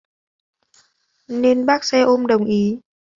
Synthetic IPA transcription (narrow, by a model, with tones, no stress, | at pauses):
ne˧nɓaː˦˥k̚sɛ˧ʔo˧mɗə˨˩wŋ͡mʔi˨˦